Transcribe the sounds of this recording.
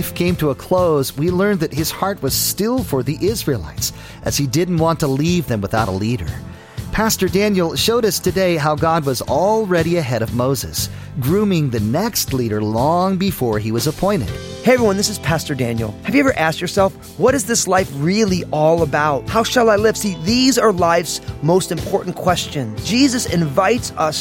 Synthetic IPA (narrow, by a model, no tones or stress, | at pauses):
fkʰẽɪ̃mtʰəəkʰl̥oʊzwilɜ̃˞nðɨt̚ɨz̥hɑɹt̚wʌz̥stɪlˠfə˞ðiʔɪzɹilˠa̰ɪts | ʔɨz̥idɪdⁿn̩ʔwɑ̃ntʰəlivðɨ̃mwəθaʊɾə̰liɾə̰˞ | pʰæstə˞dæ̃njl̩ˠʃoʊɾʌstʰɨdeɪɦaʊɡɑd̚wʌzɔlˠɹɛɾiɨɦɛɾʌvmoʊzɨ̰s | ɡɹʉ̃mɪ̃ŋðɨnɛkstˡliɾə˞lɔ̃ŋbɨfɔɹiwʌzəpʰɔ̃ɪ̃ñɨ̰d̥ | heɪɛvɹiwʌ̃nðɪsɨz̥pʰæstə˞dæ̃njl̩ˠhɨvjɨɛvə˞ʔæst͡ʃjə˞sɛlˠf | wʌɾɨzðɪslaɪfɹɪlˠiʔɔlˠəbaʊt̚haʊʃəlˠaɪlɪv̥siðizə˞laɪvz̥moʊstɨ̃mpʰɔɹʔn̩kʰw̥ɛst͡ʃɨ̃nzd͡ʒizɨsɪ̃ɱvaɪtsʌs